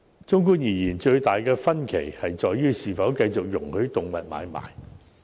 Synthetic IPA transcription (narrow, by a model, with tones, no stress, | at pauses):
t͡ʃʊ˥ŋk̬uː˥njiː˨˩jiː˨˩nt͡ʃɵ˧ɥt̪aː˨jkɛː˧fɐ˥nkʰe˨˩jhɐ˨jt͡ʃɔː˨jːyː˥siː˨˩fɐ˨˥wkɐ˧jt͡sʊ˨k̚jʊ˨˩ŋhɵ˨˥ɥt̪ʊ˨ŋmɐ˨t̚ma̰ː˨˧jma̰ː˨j